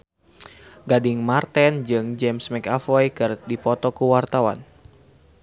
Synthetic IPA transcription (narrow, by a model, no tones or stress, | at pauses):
ɡadiŋmart̪ɛnd͡ʒɨŋd͡ʒɛmsmɛkafɔjkɨrdipɔt̪ɔkuwart̪awa̰n